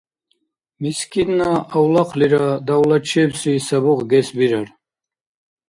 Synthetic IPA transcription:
miskʰʼinːaawlaqʰliɾad̪awlat͡ʃʰɛbsisabɔʁɡɛsbiɾaɾ

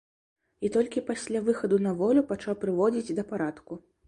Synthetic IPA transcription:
it̪ɔlʲkʲipasʲlʲavɨxɐd̪unɐvɔlʲupat͡ʂawpɾɨvɔd͡zʲid͡zʲd̪ɐpaɾat̪ku

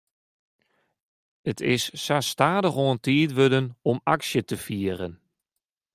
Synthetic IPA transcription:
ətʰɪsːastaːdəxoəntʰiətʋødənɔmaksjətəfiərən

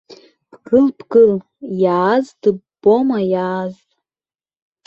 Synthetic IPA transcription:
b̥ɡɨlbɡɨl | jaːzd̥ɨbo̞majaːzʼ

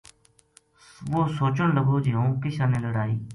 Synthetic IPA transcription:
ʋoːsoːt͡ʃəɳləɡoːd͡ʒeɦõːkɪʃãːnẽːləɽaːiː

